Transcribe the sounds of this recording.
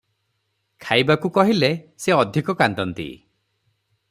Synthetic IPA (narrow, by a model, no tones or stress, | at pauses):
kʰajbakukɔɦileseɔd̪ʱikɔkant̪ɔnt̪ḭ